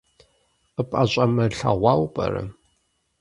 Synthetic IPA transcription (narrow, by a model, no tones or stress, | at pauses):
ɨpʼaɕʼɐmɐɬɐʁʷɑwpʼɐ̰ɾɨ̰